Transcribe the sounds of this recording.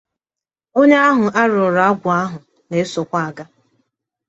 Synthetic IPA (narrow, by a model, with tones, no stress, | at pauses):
o˦ɲe˦a˦ɦʊ˨a˦ɾʊ˨ɾa˨a˦ɡʷʊ˨a˦ɦʊ˨ | ne˨˦so˨kʷa˦a˨ɡa˦